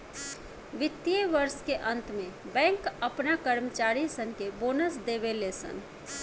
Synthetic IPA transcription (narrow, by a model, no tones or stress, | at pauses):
ʋɪt̪ːieʋəɾskeʔə̃nt̪mẽbɛ̃ːŋkəpnakəɾmət͡ʃaːɾisənkeboːnəs̬d̪eːbelesə̰n